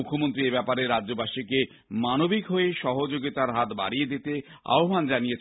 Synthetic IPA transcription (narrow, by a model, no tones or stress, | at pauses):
ukʰːomont̪ɾiebɛpaɾeɾadːobaʃike | manobikɦoeʃɔɦod͡ʑoɡit̪aɾɦat̪ba̰ɽijed̪it̪ea̰oband͡ʑanijet͡ɕʰ